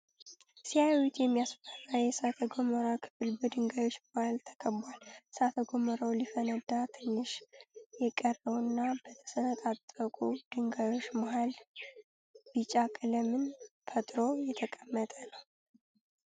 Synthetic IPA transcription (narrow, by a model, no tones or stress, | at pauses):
sijawit̪ʰjɛmːijasfərajɛsat̪ʰəɡoməɾakʰɨ̥fɨlbəd̪ɨŋɡajo̞t͡ʃːmohalt̪ʰə̥kʰəbalsat̪ʰəɡoməɾawlifənəd̪at̪ʰɨnːɨʃjɛkʼərəwnːabət̪ʰə̥sənət̪ʼat̪ʼːəkʼud̪̥ɨŋɡajo̞t͡ʃːmoɦal | bit͡ʃʼakʼɨləmɨnfʰət̪ʼɾo̞jɛt̪ʰəkʼəmːət̪ʼənəw